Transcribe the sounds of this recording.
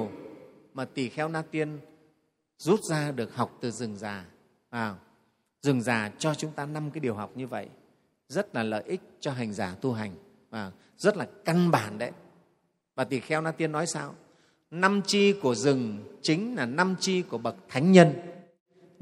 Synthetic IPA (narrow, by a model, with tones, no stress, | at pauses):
wmaː˨˩t̪i˨˩xɛ˧wnaː˧t̪i˧ən | zu˦˥t̚zaː˧ɗɨ˨˩ək̚ha˨˩wk͡p̚t̪ɨ˨˩zɨ˨˩ŋzaː˨˩ | vaː˨˩w | zɨ˨˩ŋzaː˨˩t͡ɕɔ˧t͡ɕʊ˨˦ŋ͡mt̪aː˧na˧mkaː˨˦jɗi˨˩əwɦa˨˩wk͡p̚ɲɨ˧və̰˧˨j | zə˦˥t̚laː˨˩lə̰ː˧˨jʔï˦˥k̚t͡ɕɔ˧ɦa˨˩jŋ̟zaː˧˩t̪u˧ɦa˨˩jŋ̟ | vaː˨˩w | zə˦˥t̚laː˨˩ka˧nɓaː˧˩nɗə˨˦j | vaː˨˩t̪i˨˩xɛ˧wnaː˧t̪i˧ənːɔ˨˦jsaː˧w | na˧mt͡ɕi˧ku˧˩əzɨ˨˩ŋt͡ɕï˨˦ŋ̟laː˨˩na˧mt͡ɕi˧ku˧˩əɓə˨˩t̚t̪ʰa˨˦jŋ̟ɲə˧n